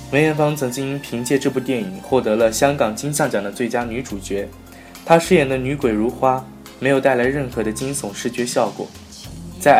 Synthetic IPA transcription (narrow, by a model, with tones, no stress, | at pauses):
wə˧˥jɥɛ˧˥nfɑ˥ŋt͡sʰɤ˧˥ŋt͡ɕi˥ŋi˥ŋpʰi˧˥ŋt͡ɕjɛ˥˧ʈ͡ʂɤ˥˧pu˥˧t̪jɛ˥˩ni˨˩˦ŋxwɔ˥˩t̪ɤ˧˥lə˧ɕjɑ˥ŋkɑ˨˩ŋt͡ɕi˥ŋsɑ˥˩ŋt͡ɕɑ˨˩ŋd̪ə˦t͡swe˥˩ɪt͡ɕja˥ny˧˥ʈ͡ʂu˨˩t͡ɕɥɛ˧˥ | t̪ʰa˥ʂɻ̩˥˩jɛ˨˩nd̪ə˦ny˧˥kwe˨˩ɪɻu˧˥xwa˥ | me˧˥ɪjo˨˩t̪a˥˩ɪla˧˥ɪɻə˥˩nxɤ˧˥d̪ə˧t͡ɕi˥ŋsʊ˨˩˦ŋʂɻ̩˥˩t͡ɕɥɛ˧˥ɕjɑ˥˩ʊkwɔ̰˨˩˦ | t͡sa˥˩ɪ